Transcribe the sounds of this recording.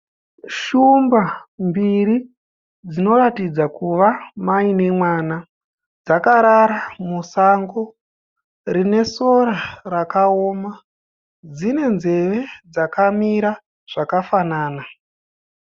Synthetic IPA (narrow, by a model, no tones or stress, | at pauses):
ʃumbambiri | d͡zino̞ɾatid͡zakuʋamaine̞mwaːna | d͡zakaɾaɾamusaŋɡo̞ | rine̞so̞ɾarakaoːma | d͡zine̞nze̞ʋe̞d͡zakamiɾa | ʐ̥akafanaːna